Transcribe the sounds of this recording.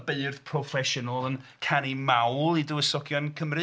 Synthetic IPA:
beɨrðpʰrɔfɛʃɔnəlˠənkʰanimawlˠidʊəsɔɡjɔnkʰəmrɨ

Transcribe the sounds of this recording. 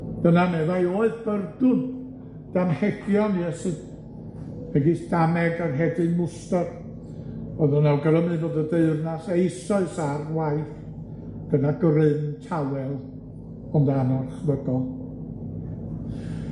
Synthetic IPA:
d̥ənamɛðajoːɨðb̥ərdʊn | d̥amhɛɡjɔnjɛsɨ | vɛɡisd̥amɛɡarɦɛdɨnmʊstar | ɔðənalɡəɾəmɨvoːdədeɨrnasejsɔɨsarwaɨθ | ɡ̥ənaɡrɨntʰawɛlˠ | ɔndanɔrχvəɡɔlˠ

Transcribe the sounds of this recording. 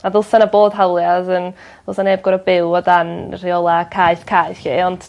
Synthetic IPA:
aðʊlˠsanaboːd̥ɦawlˠjaðən | ðʊlˠsaneːb̚ɡɔɾəbɪwɔdanr̥iɔlˠakʰajθkʰajɬiɔnd̥

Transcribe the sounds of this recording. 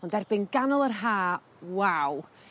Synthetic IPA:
ɔndɛrbɪnɡanɔlˠərɦaː | waw

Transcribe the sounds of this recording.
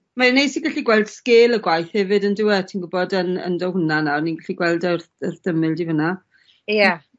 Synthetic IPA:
manejsiɡaɬiɡwɛlˠd̥skɪːlˠəɡwajθhɛvɨdəndɪwɛtʰinɡʊbɔdənə̰ndɔhʊnanawniɡaɬiɡwɛlˠdərərd̥əmɨlˠdivəna | ja

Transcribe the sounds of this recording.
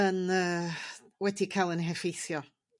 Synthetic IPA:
ənəː | wɛdikʰajlˠənɦɛfejθjɔ

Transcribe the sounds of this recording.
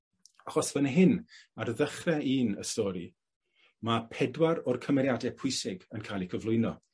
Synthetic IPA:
aχɔsvənɦɪnarðəχrɛʔiːnə̰stɔɾi | mapʰɛdwaɾɔrkʰəmɛɾjadɛpʰʊɨsɪɡənkʰajlˠikʰəvlʊɨnɔ

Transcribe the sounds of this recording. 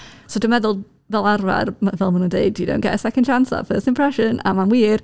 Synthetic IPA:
sodəmɛðʊlˠ | vɛlˠarva̰rmavɛlˠmənundeɪdjədõ̰ʊ̃nʔɡ̥ɛ̰ʔəsɛkə̃ndt͡ʃʰansa̰fɜːˑstɪ̃mpʰɹ̥ɛʃə̃nʔa̰manwiːr

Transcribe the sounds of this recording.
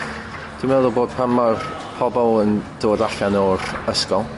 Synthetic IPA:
d̥imɛðʊlˠboːd̥̚pʰamar | pʰɔbɔlˠənd̥oːdaɬanɔrəskɔlˠ

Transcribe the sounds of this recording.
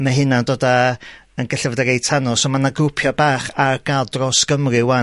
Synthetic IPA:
maɦɪnandoːda | ənɡɛɬəvədaɾejtʰanɔsomanaɡʊpʰjɔbaːχarɡalˠdrɔsɡ̥əmrɨwa

